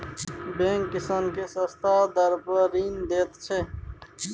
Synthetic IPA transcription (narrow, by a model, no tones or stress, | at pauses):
bẽːŋkːɪsənkesəst̪ʰad̪əɾpəɾiːnd̪eːt̪t͡ʃʰɛ